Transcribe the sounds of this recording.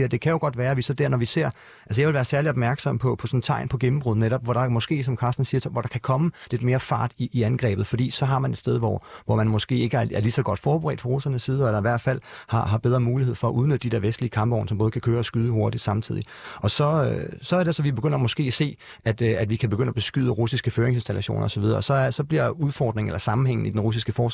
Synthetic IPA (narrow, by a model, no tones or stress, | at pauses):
iɐd̥e̝kʰæjo̝ɡ̥ɒ̽d̥ʋæːɐʋisɒ̽d̥æɐnɒʋise̝ɐ̰ | ælsəjɑɪʋe̝lʋæːɐsæɐliɒb̚mæɐɡ̥sɒ̽m̰pʰɒ̽pʰɒ̽sɒ̽nət͡sʰɑ̈ɪ̰npʰɒ̽ɡ̥em̩b̥ʁuð̰̩ˠneɾɒ̽b̥ʋɒɾ̥ɑ̈mɒ̽sɡ̥e̝̰ːsɒ̽mkʰɑ̈ːsd̥n̩siːɐʋɒɾ̥ɑ̈kʰækʰɒ̽məle̝d̥me̝ːɐfɑ̰̈ːd̥iʔːænɡ̥ʁɛ̰ːb̥ð̩ˠfɒ̽d̥ḭːsɒ̽ɦɑ̈mæne̝d̥sd̥eðˠʋɒ̰ʋɒmænmɒ̽sɡ̥e̝̰ːe̝ɡ̥əæɐæɐlisɒ̽ɡ̥ɒ̽d̥fɒːb̥əʁɛ̰ːd̥pʰɒʁo̝sɐnəsːiːð̞ˠɒæd̥ɑ̈iʋæɐ̰d̥fæl̰hɑ̈ɦɑ̈b̥eð̞ˠʁɐmuːlihe̝̰fɒ̽æʔuð̞ˠnød̥ədide̝ɐʋesd̥liəkʰɑ̈mb̥ɒ̰ʊnəsɒ̽mbɔːð̩ˠəkʰækʰøːɐsɡ̥yð̞ˠəɦo̝ɐd̥id̥sɑ̈mt͡sʰið̰ˠi | ɒ̽sɒ̽øsɒ̽æɐɾ̥esɒ̽ʋib̥e̝ɡ̥øn̰ɐɐmɒ̽sɡ̥e̝̰ːæse̝̰ː | æd̥æd̥ʋikʰæb̥eɡøn̰æb̥e̝sɡ̥yð̰ˠəʁusisɡ̥əføːɐeŋsensd̥ælʔæɕo̝̰ːnɐɒsɒʋið̞ˠɐ̽ːsɒ̽sɒ̽b̥liɐ̰uðˠfɒːd̥ʁeŋḛlɐsɑ̈mn̩ɦeŋ̰n̩idenʁus̬isɡ̥əfɒː